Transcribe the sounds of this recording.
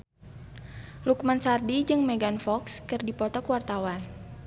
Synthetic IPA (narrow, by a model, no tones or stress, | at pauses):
lukmansardid͡ʒɨŋmɛɡanfɔkskɨrdipɔt̪ɔkəwart̪awan